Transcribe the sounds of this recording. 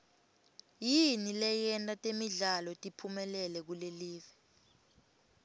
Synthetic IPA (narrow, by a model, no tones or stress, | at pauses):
jinilɛjɛntʼatʼemiɮalɔtʼipʰumɛlɛlɛk̬uleliːvɛ